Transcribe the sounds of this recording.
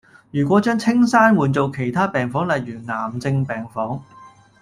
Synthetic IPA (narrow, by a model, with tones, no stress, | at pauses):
jyː˨˩kʷɔ˨˥t͡ʃœː˥ŋt͡sʰɪ˥ŋsaː˥nwuː˨˩nt͡so˨˧wkʰe˨˩jt̪ʰaː˥pɛː˨˩ŋfɔː˨˥ŋlɐ˨jɥyː˨˩ŋaː˨˩mt͡sɪ˧ŋpɛː˨ŋfɔː˨˥ŋ